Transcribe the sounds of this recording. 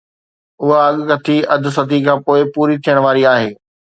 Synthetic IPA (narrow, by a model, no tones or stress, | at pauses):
ʊɦaɐɠkɐt̪ʰiɐd̪ʱs̬ɐd̪ʱikʰãːpoːɪpuːɾit̪ʰijəɽ̃ʋaːɾiaːɦeː